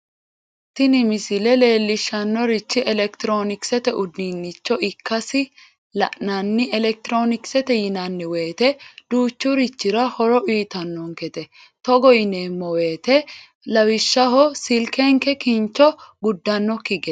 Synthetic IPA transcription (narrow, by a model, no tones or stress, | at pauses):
t̪ːɪnɪmɪsɪlɛle̞ːlːɪʃːɐnːɔɾɪt͡ʃːɪʔɛlɛkt̪ɾo̞ːnɪksɛt̪ɛʔʊd̪ːinːɪt͡ʃːɔɪkːɐsɪ | lɐ̰ʔnɐnːɪʔɛlɛk̚t̪ɪɾoːnɪksɛt̪ɛjɪnɐnːɪwe̞ːt̪ɛd̪̥uːt͡ʃːʊɾɪt͡ʃːɪɾɐhɔɾɔʔiːt̪ɐnːɔŋkɛt̪ɛ | t̪ɔɡɔjɪneːmːɔwe̞ːt̪ɛ | lɐwɪʃːɐɦɔsɪlkɛŋkɛkɪnt͡ʃːɔɡʊd̪ːɐnːɔkːɪɡɛ